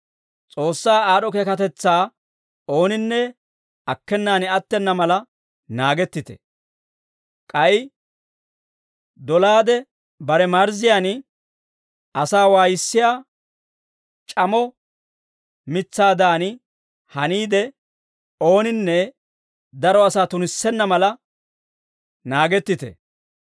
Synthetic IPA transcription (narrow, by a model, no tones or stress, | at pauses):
t͡sʼo̞ːsːaːaːɗɔkekɐt̪ɛt͡sːaː | o̞ːnɪnːɛ | ɐkːɛnːaːnɪɐt̪ːɛnːɐmɐlɐ | naːɡɛt̪ːɪt̪ɛ̥̰ | kʼɐj | d̪ɔlaːd̪ɛ | bɐɾɛmɐɾzɪjaːn | ɐsaːwaːjɪsːɪjaː | t͡ʃʼɐmɔ | mɪt͡sːaːd̪aːnɪ | hɐniːd̪ɛ | o̞ːnɪnːɛ | d̪ɐɾɔɐsaːt̪ʊnɪsːɛnːɐmɐlɐ | naːɡɛt̪ːɪt̪ɛ̰